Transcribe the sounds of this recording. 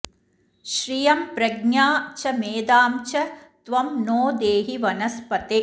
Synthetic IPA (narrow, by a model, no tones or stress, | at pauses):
ʃɾijɐmpɾɐɡɲaːt͡ʃɐmeːd̪aːmt͡ʃɐt̪ʋɐmnoːd̪eːɦiʋɐnɐspɐt̪eː